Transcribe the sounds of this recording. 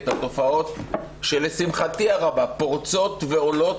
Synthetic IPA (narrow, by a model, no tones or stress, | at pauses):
t̪at̪o̞fao̞t̪ | ʃelesimχat̪iaʁabapoʁt͡so̞t̪veo̞lo̞t